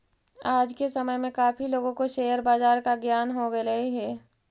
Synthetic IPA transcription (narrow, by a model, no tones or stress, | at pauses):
aːd͡ʒkesɐməjmẽkaːpʰiloːɡõkoʃeːəɾbaːzaːɾkaɡjaːnɦoɡɐɐiɦɛː